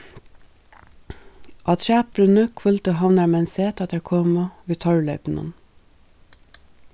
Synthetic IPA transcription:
ʔɑːt̪ʰʃæːpɾʉnəkʰʋœlt̪əɦɑʋnæɾmɛnseːt̪ʰɑt̪əkʰoːmɑʋiːt̪ʰɔɹlœʏpn̩ɑ̰n

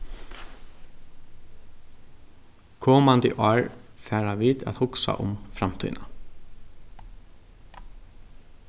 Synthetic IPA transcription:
kʰɔːmand̪ə̰ʔɑːɹfæːɹaʋiːt̪æ̰t̪hʊksa̰ʔʊ̰mfɾamt̪ʰʏ̰ːna

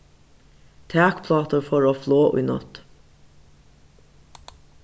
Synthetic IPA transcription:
t̪ʰæːkpʰlɑːt̪əɹfɔɹoːfloːʔʊ̰jnɔ̰t̪

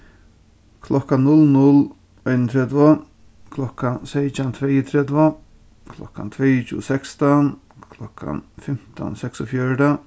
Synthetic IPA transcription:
kʰlɔkanːʊlnʊl | ɔɪnənt̪ʰɾɛd̪vɔ | kʰlɔkansɛjt͡ʃant̪ʰvɛjət̪ʰɾɛd̪va | kʰlɔ̰ka̰nt̪ʰvɛjt͡ʃṵsɛkst̪an | kʰlɔka̰nfɪm̥t̪a̰nsɛksɔfjœɹd̪a

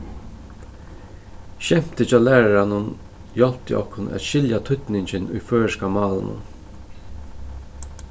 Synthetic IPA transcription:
ʃɛm̥t̪ɪt͡ʃɑːlæːɹaɾanʊn | jɔlpt̪ɪ̰ʔɔ̰hkʰʊnæ̰t̪ʃɪljat̪ʰʏt̪nɪɲt͡ʃɪnʊ̰jføːɹskamɑːlnʊ̰n

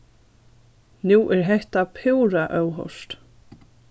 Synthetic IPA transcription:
nuːʔɛɾɦɛht̪apʰɪwɾaʔœwɦɔ̰wst̪

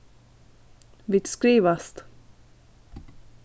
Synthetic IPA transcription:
vɪt̪skɾiːʋast̪

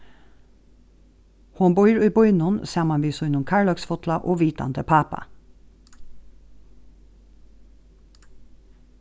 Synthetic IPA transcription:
hʊnbɔʏɾʉːbɔʏnʊnsɑmɑnʋiːsʊɪnʊmkʰɑɹɭɑksfɔt̪lɑʔoːʋiːt̪ɑ̰nd̪əpʰɑːpɑ̰

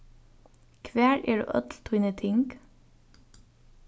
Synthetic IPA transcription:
kʰʋæːɹḛːɖʉ̰ːʔœt̪l̩t̪ʰʉːnət̪ʰɪŋɡ̥

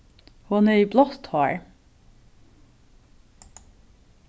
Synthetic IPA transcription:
hɑneiːblɑst̪hɑːɹ

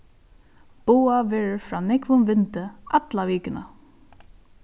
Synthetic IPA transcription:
b̥uːavɛːɹəfɾaːnɪkʋʊmʋɪnt̪əat̪laʋiːkɪna̰

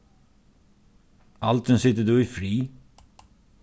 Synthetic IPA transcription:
ʔɑlt̪ənsɪt̪əd̪ʉːiːfɾiː

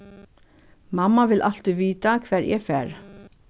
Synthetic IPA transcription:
mɑmːɑʋɪlʔɑl̥t̪iʋiːt̪akʰʋæːɾʔɛ̰ːfæːɾ

